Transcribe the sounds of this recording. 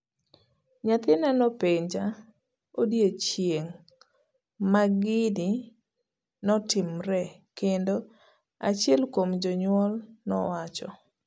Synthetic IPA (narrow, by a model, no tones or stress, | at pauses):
ɲat̪ɪnanɔpeɲd͡ʒa | odjet͡ʃjeŋ | maɡɪdi | nɔtɪmɾɛ | kendo | at͡ʃɛlkomd͡ʒɔɲwɔlnɔwat͡ʃɔ̰